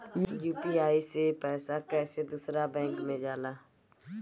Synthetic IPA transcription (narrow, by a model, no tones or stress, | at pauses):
jĩjuːpiːaːiseːpɛːsaːkɛːseːd̪ʊsɾaːbɛ̃ːŋkmẽːd͡ʒaːlaː